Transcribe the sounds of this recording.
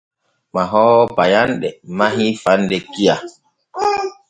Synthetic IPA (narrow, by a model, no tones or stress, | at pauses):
maɦɔːbajanɗɛmaɦifandɛkija